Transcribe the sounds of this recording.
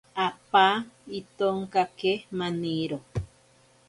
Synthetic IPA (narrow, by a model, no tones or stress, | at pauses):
apait̪oŋkakemaniɾo